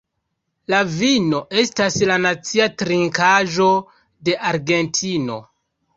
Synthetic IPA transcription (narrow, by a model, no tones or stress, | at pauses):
lavino̞ʔe̞staslanat͡siatɾiŋkaʒo̞ | de̞ʔaɾɡe̞ntʰino̞